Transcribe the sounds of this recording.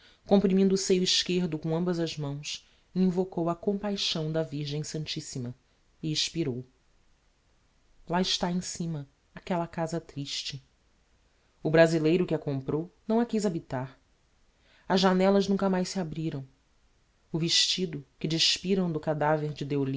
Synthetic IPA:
kõmpɾimĩnd̪ʊːsejʊiʃkeɾd̪ʊkõɐ̃mbɐzɐzmɐ̃w̃s | ĩvokowɐkõmpajʃɐ̃w̃d̪ɐviɾʒẽj̃sɐ̃nt͡ʃisimɐ | iiʃpiɾow | laɪʃt̪aẽj̃sĩmɐ | akɛlɐkazɐt̪ɾiʃt͡ʃɪ | ʊbɾazilejɾʊkɪɐkõmpɾownɐ̃w̃ɐkijzabit̪aɾ | ɐzʒʒanɛlɐʒnũŋkɐmajʃsiabɾiɾɐ̃w̃ | ʊveʃt͡ʃid̪ʊkɪd͡ʒiʃpiɾɐ̃w̃d̪ʊkad̪aveɾd͡ʒɪd̪eolĩ

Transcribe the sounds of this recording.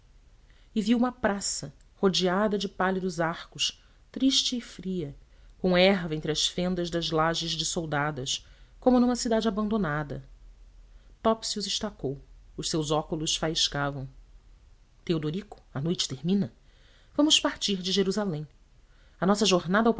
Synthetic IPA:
ɪviwũmɐpɾasɐ | hod͡ʒiad̪ɐd͡ʒɪpalid̪ʊzaχkʊʃ | t̪ɾiʃt͡ʃɪːfɾiɐ | kõɛɦvɐẽnt̪ɾɪɐʃfẽnd̪ɐzd̪ɐzlaʒɪzd͡ʒɪsowd̪ad̪ɐʃkõmʊnũmɐsid̪ad͡ʒɪabɐ̃nd̪onad̪ɐ | t̪ɔpsiuzɪʃt̪akowʊʃsewzɔkulʊʃfaiʃkavɐ̃w̃ | t̪eod̪oɾikʊ̥ɐnojt͡ʃɪ̥t̪eɾmĩnɐ | vɐ̃mʊʃpaɾt͡ʃiɾd͡ʒɪʒeɾuzalẽj̃ | ɐnɔsɐʒoɾnad̪ɐawp

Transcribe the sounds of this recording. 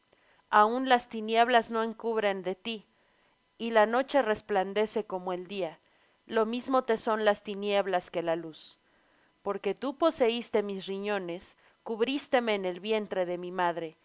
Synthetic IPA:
aunlast̪inje̞βlazno̞e̞ŋkuβɾe̞nd̪e̞t̪iː | lano̞t͡ʃe̞re̞spland̪e̞se̞ko̞moe̞ld̪ia | lo̞mizmo̞t̪e̞so̞nlast̪inje̞βlaske̞lalus | po̞ɾke̞t̪upo̞se̞ist̪e̞misriɲo̞ne̞s | kuβɾist̪e̞me̞ːne̞lβje̞nt̪ɾe̞ðe̞mimaðɾe̞

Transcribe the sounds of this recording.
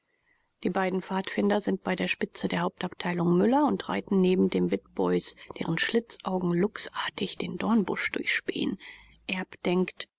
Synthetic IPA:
d̥iːbaɪdn̩faːtfɪndɐzɪnt̚b̥aɪdeːɐʃpɪt͡sədeːɐhaʊp̚taptʰaɪlʊŋmʏlɐʊntʁa̰ɪtn̩neːbm̩deːmvɪtb̥ɔʏsd̥ḛːʁənʃlɪt͡sʔaʊɡŋ̩lʊksʔaːɐtɪçd̥eːndɔɐnbʊ̰ʃd̥ʊɐçʃpḛːən | ʔɛɐpd̥ɛŋkt

